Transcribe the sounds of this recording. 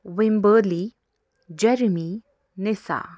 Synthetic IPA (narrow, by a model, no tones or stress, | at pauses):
wembəli | d͡ʒɛɾimi | nesa̰